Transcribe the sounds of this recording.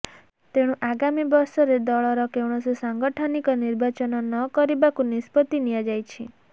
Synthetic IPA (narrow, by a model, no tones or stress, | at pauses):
t̪eɽ̃ũʔaɡamibɔɾsɔɾed̪ɔɭɔɾɔkewɳ̃ɔsusaŋɡɔʈʰɔnikɔniɾbat͡ʃɔnɔnɔkɔɾibakunispɔt̪inijad͡ʒajt͡ʃʰi